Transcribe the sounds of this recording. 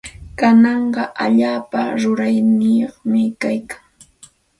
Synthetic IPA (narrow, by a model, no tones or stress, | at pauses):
kanɑɴɢɑʔaʎaːpaɾʊɾajnɪjoχmɪkajkḁŋ